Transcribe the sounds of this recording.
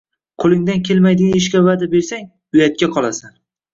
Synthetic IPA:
qʰolˠɪŋd̪ankʲʰe̞lmajd̪ɪɡʲanɪʃ̬kʲavad̪abe̞ɾsaŋ | ʊjat̪̚kʲaqʰɒlˠasan

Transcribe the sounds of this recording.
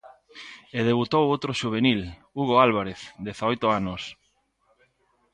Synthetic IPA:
eðeβ̞ut̪owowt̪ɾoʃuβ̞enil | uɣ̞oalβ̞aɾeθd̪eθaojt̪oanos

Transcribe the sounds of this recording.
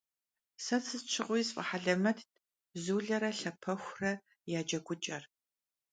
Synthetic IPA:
sɐt͡sʰɨst͡ʃʷʰɪqʷʊjsfʼɐ̰ħaɮɐmɐtʰ | zuːɮɐɾɐɬɐpʰɐxʷrɐ | jaːd͡ʒɐɡʷʊt͡ʃʼɐr

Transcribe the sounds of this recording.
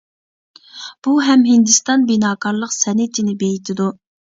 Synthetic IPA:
b̥uɦɛmɦɪnd̪ɨst̪ɑnbinɑːkʰɑɾlˠəqsɛnɪt̪ʰɪnɪbejit̪ʰɪd̪u

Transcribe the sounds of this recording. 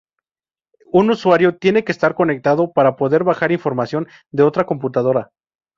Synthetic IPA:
unuswaɾjo̞t̪je̞nekeːst̪aɾko̞ne̞k̚t̪aðo̞paɾapo̞ðe̞ɾβaxaɾiɱfo̞ɾmasjo̞n | d̪eo̞t̪ɾako̞mput̪að̞o̞ɾa

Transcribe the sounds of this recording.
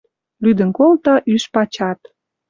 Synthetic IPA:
lyd̪ənkolt̪ɑʔyʃpɑt͡ɕɑt̪

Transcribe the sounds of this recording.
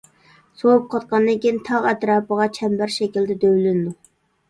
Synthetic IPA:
sowup̚qʰɑt̪̚qɑnd̪ɪkʲint̪ʰɑʁɛt̪ɾɑːpəʁɑt͡ʃʰɛmbæɾʃɛkʲild̪ɛd̪øwlynɪd̪u

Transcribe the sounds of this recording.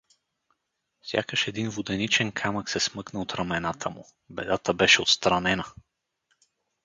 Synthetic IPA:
fsʲja̰kəʃɛd̪invʊd̪ɛnit͡ʃɛnkʰaməksɛsmɤknəot̪ɾɐmɛnat̪ʰəmʊ̰ | bɛd̪at̪əbɛʃɛot̪st̪ɾɐnɛnə

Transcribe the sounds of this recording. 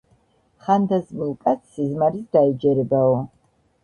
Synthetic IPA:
χand̪azməlˠkʼat̪sʰizmaɾisd̪aid͡ʒɛɾɛbaɔ

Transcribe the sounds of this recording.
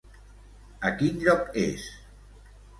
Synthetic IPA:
əkinʎɔkḛs

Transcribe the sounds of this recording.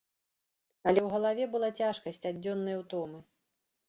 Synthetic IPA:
ɐlʲɛwɣɐlˠavʲɛbɨlˠat͡sʲaʂkɐsʲt͡sʲadʲɔnːɐjɐwt̪ɔmɨ

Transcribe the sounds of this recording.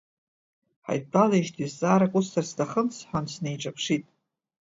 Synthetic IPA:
ħa̰jtbalajʃtʰizːʼaːɾakʼustʰarstʰaχənsʰħʷansnejʈ͡ʂʼapʰʂitʼ

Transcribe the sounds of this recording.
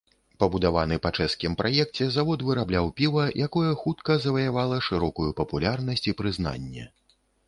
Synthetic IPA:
pɐbud̪avanɨpɐt͡ʂɛskʲimpɾʔajɛk̚t͡sʲɛzavɔt̪vɨɾablʲawpʲivɐjʔakɔjɛxut̪kɐzɐvɐjavalˠɐʂɨɾɔkujupɐpulʲarnɐsʲt͡sʲipɾɨzn̪a̰nʲːɛ̰

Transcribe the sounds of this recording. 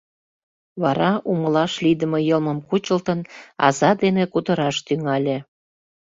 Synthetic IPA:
βɑɾɑʔuməlɑʃlid̪əmojəlməmkut͡ɕəlt̪ənɑ̰zɑd̪enekut̪əɾɑʃt̪yŋɑlʲe

